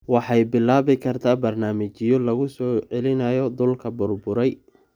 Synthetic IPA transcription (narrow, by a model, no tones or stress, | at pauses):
wɑħɑjbɪlːaːβɪkʰɐrt̪ʰaːbɐrnaːmɐt͡ʃɪjɔlɐɣʊsɔːʕɛlɪnɐjɔd̪ʊlkʰɐbʊrbʊɾɛj